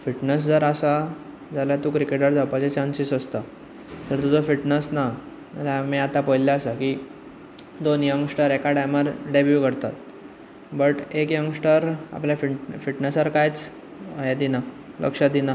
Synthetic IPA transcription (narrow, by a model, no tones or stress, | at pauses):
fiʈnəs̬d͡zəɾasa | d͡zaljat̪ukɾikeʈəɾd͡zawpat͡ɕet͡ɕansisəst̪a | t̪əɾt̪ud͡zɔfiʈnəsna | lamiat̪apəjljaəsaki | d̪onjəŋɡsʈəɾekaɖajməɾɖebjukəɾt̪a̰t̪ | bəʈekjəŋɡsʈəɾa̰pljafifiʈnəsaɾkajt͡s | əjad̪ina | lʔə̰kʂad̪ina